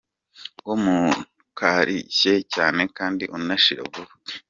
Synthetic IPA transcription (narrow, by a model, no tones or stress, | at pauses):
womu | kʰaɾḭçe̞caːne̞kaːndiʔunaʃiɾo̰βuue